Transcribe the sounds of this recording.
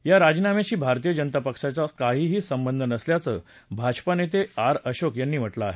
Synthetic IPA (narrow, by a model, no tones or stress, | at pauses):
jaɾad͡ʑnamaɕiːbʱaɾt̪iːjəd͡ʑənt̪apəkʂat͡sakaɦiːɦiːsəmbənd̪ʱənəsljat͡səːbʱad͡ʑpanet̪̬eaɾəɕokjanːiːm̤əʈlaːɦe